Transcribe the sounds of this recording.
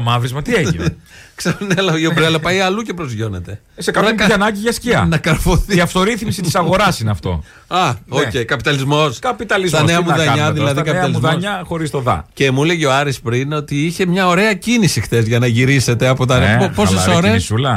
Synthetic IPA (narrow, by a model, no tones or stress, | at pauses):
mɐvɾizmɐt̪ieiksɐɾunelɐiobɾelɐpɐiɐluce̞pɾo̞zʝo̞ne̞t̪e | sekɐnɐkɐnɐɲɟiʝɐsciɐ̰nɐkɐɾfoθiiɐft̪oɾiθmisit̪i̥sɐɣo̞ɾɐsineɐft̪o̞̰ | ɐoceikɐpit̪ɐlizmo̞skɐpit̪ɐlizɐneɐmuðɐɲɐðilɐðiɐkɐpit̪ɐlizðɐɲɐxoɾist̪oðɐ̰cemuleʝioɐɾispɾino̞t̪iiçe̞mɲɐo̞ɾe̞ɐcinisixθe̞zʝɐnɐʝiɾise̞t̪e̞ɐpo̞t̪ɐnopo̞sesɾessulɐ